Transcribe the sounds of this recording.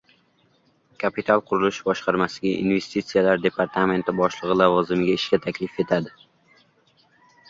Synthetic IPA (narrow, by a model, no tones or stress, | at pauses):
kʰapʰit̪ʰalˠqʰʊɾʊlɪʃbɒʃqʰɑɾmasɪɡʲaʔḭnve̞st̪it̪sijalaɾd̪e̞pʰaɾt̪ʰame̞nt̪ʰɪbɒʃlˠɨʁɨlˠavɒzɪmɪɡʲaɪʃkʲat̪ʰakʲʰlɪfe̞t̪ʰad̪ɪ